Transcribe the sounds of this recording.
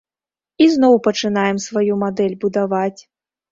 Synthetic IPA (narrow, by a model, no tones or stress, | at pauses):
izn̪ɔwpɐt͡ʂɨnajɛmsvajumad̪ɛlʲbud̪avat͡sʲ